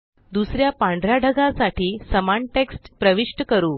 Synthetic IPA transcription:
d̪usɾjapãɳɖʱɾjaɖʱəɡãsaʈiːsəmaɳʈeksʈpɾəʋiʂʈəkəɾuː

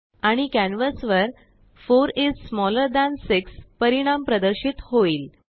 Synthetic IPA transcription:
aɽ̃ikænʋəsʋəɾ | foɾizsmɔləɾd̪ænsikspəɾiɽ̃ampɾəd̪əɾɕit̪hoiːl

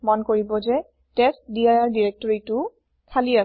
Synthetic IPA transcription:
mɔnkoɹibɔzɛ | testdiajaɹdiɹek̚tɔɹitʊ | kʰalia

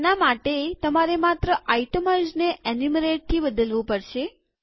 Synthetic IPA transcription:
namaʈet̪əmaɾemat̪ɾəʔajʈəməd͡ʒneʔɛnumɾeʈ̚t̪ʰibəd̪əlʋũpəɾʃe

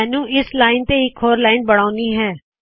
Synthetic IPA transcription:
nũːʔɪslaːɪnt̪eːɪkʰɦoːɾlaːɪnbəɽ̃aːʊniːɦɛː

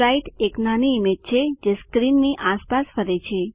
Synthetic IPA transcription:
ɾaiʈeknaniːmet̚t͡ʃʰed͡ʒeskɾinːiʔaspasfəɾet͡ʃʰe

